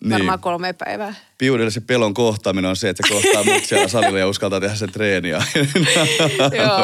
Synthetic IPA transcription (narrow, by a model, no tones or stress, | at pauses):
nimɑːkolmeːpæ̰iʋæː | piudelːiseppeloŋkoht̪ɑmineonseet̪sekohtɑːmut̪siælːæsɑrɑilːɑjɑuskɑlt̪ɑːt̪ehæsent̪reːniɑinn